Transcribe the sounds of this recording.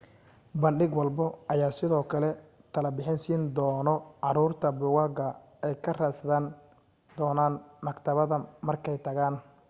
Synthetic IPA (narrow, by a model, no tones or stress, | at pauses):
bɐnɖɪɡwɑlbɔʔɐjaːsɪðɔːkʰɐlɛ | t̪ʰɐlɐbɪħɪnsiːnd̪ɔːnɔʕɑɾuːrt̪ʰɐbʊɣaːɡɐ | ɛjkʰɐrasɐðan | d̪ɔːnaːnmɐɡt̪ʰɐβɐðɐmɐrkʰɛjt̪ʰɐɣaːn